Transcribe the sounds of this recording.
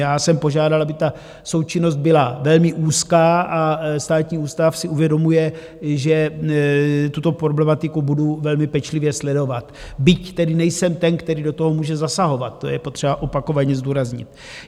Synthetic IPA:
jaːsɛmpo̞ʒaːdalʔabɪt̪a | so̞wt͡ʃɪno̞st̪̚bɪlavɛlmɪʔuːskaːʔast̪aːt̪ɲiːuːst̪afsɪʔuvjɛdo̞mujɛ | ʒɛ | t̪ut̪o̞pɾo̞blɛmat̪ɪkubuduvɛlmɪpɛt͡ʃlɪvjɛslɛdo̞vat̪bɪct̪ɛdɪnɛjsɛmt̪ɛnkt̪ɛɾiːdo̞t̪oɦo̞muːʒɛzasaɦo̞vat̪̚ːo̰jɛpo̞t̪r̝̥ɛbaʔo̞pako̞vaɲɛzd̪uːɾazɲɪ̰t̪

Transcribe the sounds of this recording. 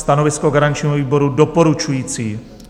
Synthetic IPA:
st̪anovɪskoɡaɾaɲt͡ʃɲiːɦoviːbo̞ɾudopo̞ɾut͡ʃujiːt͡siː

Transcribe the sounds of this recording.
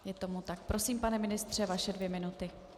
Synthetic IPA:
jɛt̪o̞mut̪akpɾʔo̞siːmpanɛmɪnɪst̪r̝̥ɛvaʃɛdvjɛmɪnut̪ɪ

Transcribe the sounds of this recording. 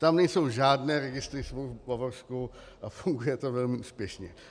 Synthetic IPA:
t̪amnɛjso̞wʒaːdnɛːɾɛɡɪst̪ɾɪsvowbavosku | ʔafuŋɡujɛt̪ovɛlmɪuːspjɛʃɲɛ

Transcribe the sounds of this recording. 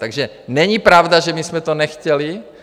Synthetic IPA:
t̪aɡʒɛ | nɛɲipɾaʊd̪aʒɛmismɛt̪ɔnɛxcɛli

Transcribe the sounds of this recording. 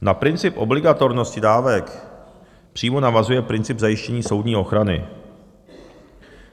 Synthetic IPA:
napɾɪnt͡sɪpʔo̞̰blɪɡat̪o̞ɾno̞scɪdaːvɛk | pr̝̥iːmo̞navazujɛpɾɪnt͡sɪbzajɪʃcɛɲiːso̞wdɲiːʔo̞xɾanɪ̰

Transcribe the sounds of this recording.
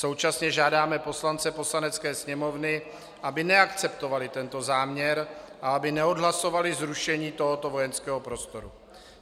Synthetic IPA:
so̞wt͡ʃasɲɛʒaːdaːmɛpo̞slant͡sɛpo̞slanɛt͡skɛːsɲɛmo̞vnɪ | ʔabɪnɛakt͡sɛpt̪o̞valɪt̪ɛnt̪o̞zaːmɲɛɾʔaabɪnɛodɦlaso̞valɪzɾuʃɛɲiːt̪o̞ɦo̞t̪ovo̞jɛnskɛːɦo̞pɾo̞st̪o̞ɾu

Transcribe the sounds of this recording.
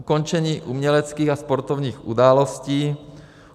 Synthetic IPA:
kont͡ʃɛɲiːʔumɲɛlɛt͡skiːɣaspoɾt̪ovɲiːxʔudaːlosciː

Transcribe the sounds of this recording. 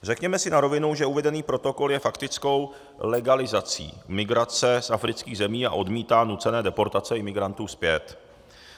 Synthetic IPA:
r̝ɛkɲɛmɛsɪnaɾo̞vɪnuwʒɛuvɛdɛniːpɾo̞t̪o̞ko̞ljɛfakt̪ɪt͡sko̞w | lɛɡalɪzat͡sḭːmɪɡɾat͡sɛsafɾɪt͡skiːɣzɛmiːa̰ʔo̞dmiːt̪aːnut͡sɛnɛːdɛpo̞ɾt̪at͡sɛɪmɪɡɾant̪uːspjɛt̪

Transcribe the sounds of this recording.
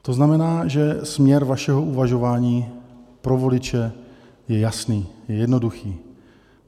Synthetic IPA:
t̪oznamɛnaːʒɛsmɲɛɾvaʃɛɦoʔuvaʒo̞vaːɲiːpɾovo̞lɪt͡ʃɛ | jɛjasniːjɛjɛdnoduxiː

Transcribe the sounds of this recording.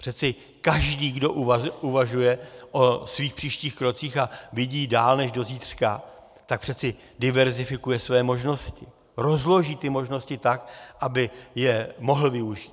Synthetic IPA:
pr̥ɛt͡sɪ | kaʒdiːɡdo̞ʔʔuvaʒujɛʔo̞sviːxpr̥iːʃciːxkɾo̞t͡siːxavɪɟiːdaːlnɛʒdo̞ziːt̪r̝̥ka | t̪ak̚pr̥ɛt͡sɪ | dɪvɛɾzɪfɪkujɛsvɛːmo̞ʒno̞scɪ | ɾo̞zlo̞ʒiːt̪ɪmo̞ʒno̞scɪt̪akʔabɪjɛmo̞ɦl̩vɪuʒiːt̪

